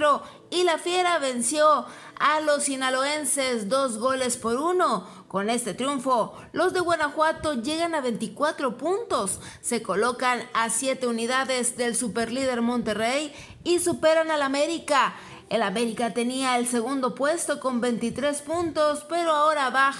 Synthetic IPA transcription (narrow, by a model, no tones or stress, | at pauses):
ɾo | ilafje̞ɾaβe̞nsjo̞alo̞sinaloe̞nse̞zd̪o̞zɣo̞le̞spo̞ɾuno̞ | ko̞ne̞st̪e̞t̪ɾjuɱfo̞ | lo̞zðe̞ɣwenaxwat̪o̞ʝe̞ɣanaβe̞nt̪ikwat̪ɾo̞punt̪o̞sːe̞ko̞lo̞kanasje̞t̪e̞uniðaðe̞zðe̞lsupe̞ɾliðe̞ɾmont̪e̞rej | isupe̞ɾanalame̞ɾika | elame̞ɾikat̪e̞niaelse̞ɣund̪o̞pwe̞st̪o̞ko̞mbe̞nt̪it̪ɾe̞spunt̪o̞spe̞ɾo̞aoɾaβa